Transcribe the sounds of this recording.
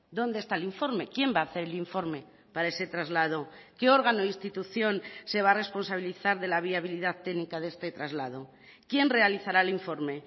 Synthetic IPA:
d̪o̞nd̪est̪aeliɱfo̞ɾme̞kje̞mbaːθe̞ɾeliɱfo̞ɾme̞ | paɾaese̞t̪ɾazlað̞o̞ke̞o̞ɾɣ̞anoist̪it̪uθjo̞nse̞β̞are̞spo̞nsaβ̞iliθaɾðe̞laβ̞iaβ̞iliðaðt̪ːeɣnikaðe̞st̪e̞t̪ɾazlað̞o̞ | kje̞nre̞aliθaɾaeliɱfo̞ɾme̞

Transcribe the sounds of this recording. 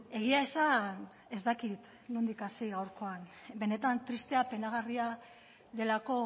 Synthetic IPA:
e̞ɣ̞iae̞san | e̞zd̪akit̪ | mund̪ikasiɣawɾko̞anbe̞ne̞t̪ant̪ɾist̪e̞ape̞naɣ̞aria | ðe̞lako̞

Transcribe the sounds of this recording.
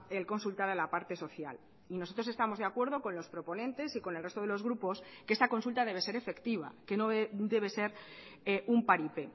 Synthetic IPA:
elko̞nsult̪aɾalapaɾt̪e̞so̞θja̰l | ino̞so̞t̪ɾosest̪amozðe̞akwe̞ɾð̞o̞ko̞nlo̞spɾo̞po̞nẽ̞nt̪e̞siko̞nelret̪o̞ð̞e̞lo̞zɣɾupo̞skeest̪ako̞nsult̪að̞e̞β̞e̞se̞ɾe̞fe̞kt̪iβ̞a̰ke̞no̞d̪e̞β̞e̞se̞ɾeʔumpaɾipe

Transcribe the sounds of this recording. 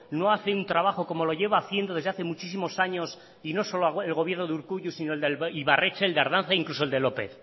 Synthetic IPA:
no̞aθeunt̪ɾaβ̞axo̞ko̞mo̞lo̞ʝe̞βaːθje̞nd̪o̞ðezðeaθe̞mut͡ʃis̬imo̞saɲo̞s | ino̞so̞loaelɣo̞βje̞ɾnoðuɾkuʝusinoeld̪eliβarʔe̞t͡ʃeːld̪aɾðanθaiŋklusold̪e̞lo̞pḛθ

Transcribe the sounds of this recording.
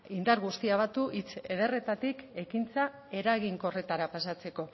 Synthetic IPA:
ind̪aɾɣust̪iaβ̞at̪uʔit͡se̞ð̞e̞re̞t̪at̪ike̞kint͡sa | e̞ɾaɣiŋko̞re̞t̪aɾapasat͡se̞ko̞

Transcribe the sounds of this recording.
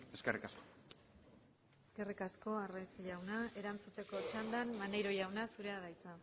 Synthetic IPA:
eskerikasko̥ | e̞ske̞rikasko̞arajsiʎawnae̞ɾant͡sut̪e̞ko̞t͡ʃand̪anmanejɾo̞ʝawnasuɾe̞aðajt͡sa

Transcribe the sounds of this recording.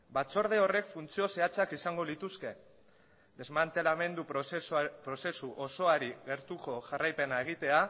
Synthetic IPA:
bat͡so̞ɾð̞e̞o̞re̞kfunt͡sio̞se̞at͡sakisaŋɡo̞lit̪uske̞ | d̪e̞zmant̪e̞lame̞nd̪u | pɾo̞se̞suʔo̞so̞aɾiɣe̞ɾt̪uko̞ʝarajpe̞nae̞ɣ̞it̪e̞a

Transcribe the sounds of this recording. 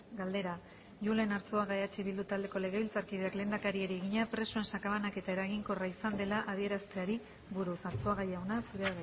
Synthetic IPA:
ɡald̪e̞ɾa | ʝule̞naɾt͡soaɣajat͡ʃeiβild̪ut̪ald̪e̞ko̞le̞ɣ̞e̞βilt͡saɾkiðeakle̞ːnd̪akaɾieɾieɣiɲapɾe̞soe̞nsakaβanake̞t̪ae̞ɾaɣiŋko̞raisand̪e̞laʔað̞ie̞ɾast̪e̞aɾi | βuɾusaɾt͡soaɣajawnasuɾeaɣa

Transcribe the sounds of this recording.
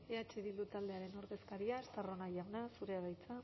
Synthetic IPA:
eat͡ʃiðilut̪ald̪e̞aɾe̞no̞ɾðe̞skaɾiast̪aro̞najawnasuɾe̞aɾajt͡sa

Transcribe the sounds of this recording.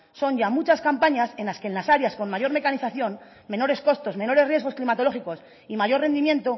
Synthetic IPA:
so̞ɲɟ͡ʝamut͡ʃaskampaɲase̞nlaske̞nlasaɾjasko̞nmaʝo̞ɾme̞kaniθaθjo̞n | mẽ̞no̞ɾe̞sko̞st̪o̞smẽ̞no̞ɾerje̞ɣo̞sklimat̪o̞lo̞xiko̞s | imaʝo̞ɾre̞nd̪imjẽ̞nt̪o

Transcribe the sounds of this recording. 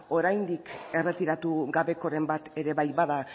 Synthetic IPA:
o̞ɾajnd̪ike̞re̞t̪iɾat̪uɡaβe̞ko̞ɾe̞mbat̪e̞ɾe̞βajβaða

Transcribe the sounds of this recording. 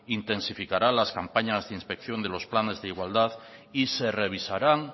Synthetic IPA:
int̪e̞nsifikaɾalaskampaɲazðeinspekθjo̞nd̪elo̞splane̞zðeiɣwald̪að | ise̞reβ̞isaɾaŋ

